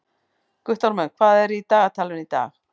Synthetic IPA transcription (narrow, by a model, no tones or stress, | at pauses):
ɡ̥wɪθtɔɾmɛkʰwaðɛɾidaatʰalˠwɛnid̥a̰ːɣ